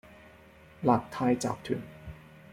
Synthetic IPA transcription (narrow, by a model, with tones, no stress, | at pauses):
laː˨˩k̚t̪ʰaː˧jt͡ɕa̰ː˨˩p̚t̪ʰy̰˨˩˦n